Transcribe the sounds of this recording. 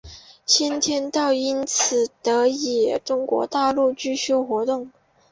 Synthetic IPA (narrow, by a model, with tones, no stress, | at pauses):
t͡ɕʰɛ˥nt̪ʰjɛ˥nt̪ɑ˥˩ʊi˥nt͡sʰɹ̩˨˩t̪ɤ˧˥i˨˩ʈ͡ʂʊ˥ŋkwɔ̰˧˥t̪a˥˧lu˥˩˧t͡ɕy˥˧ɕo˥ʊxwɔ˧˥t̪ʊ˥˩ŋ